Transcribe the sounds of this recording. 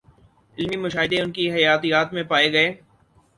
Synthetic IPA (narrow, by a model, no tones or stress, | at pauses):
ɪlmimʊʃaːɦɪd̪eʊnkiɦɐjaːt̪ijaːt̪mẽpaːeɡɐeː